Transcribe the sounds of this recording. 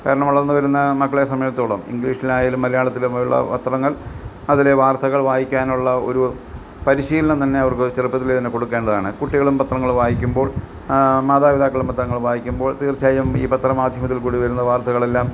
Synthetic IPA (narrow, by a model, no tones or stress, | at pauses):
kaːɾɐɳɐmʋɐɭɐrnːɨʋɐɾunːɐmɐkːɐɭesɐmɐjɐt̪ːoːɭɐmḭŋɡliːʂinaːjalumːɐlɐjaːɭɐt̪ːilumɐjuɭːɐ̰pɐ̰t̪rɐŋːɐɭ | ɐðile̞ʋaːrt̪ʰɐɣɐɭʋaːjikʲːaːnuɭːɐo̞̰ɾu | pɐɾiɕiːlɐɳɐt̪ɐnːe̞ɐʋɐrkɨt͡ɕerɨpːɐt̪ːilet̪inːekoɽukːe̞ːɳɖɐðaːɳɨkuʈːiɣɐɭumpɐt̪rɐŋːɐɭumʋaːjikʲːumbo̞ːɭ | maːðaːʋiðaːkːɐɭumpɐt̪rɐŋːɐɭumʋaːjikʲːumbo̞ːɭt̪iːrt͡ɕːaːjɐmḭːpɐt̪rɐmaːd̪ʱjɐmɐt̪ːilkuːɽiʋɐɾunːɐʋaːrt̪ʰɐɣɐɭe̞lːaːm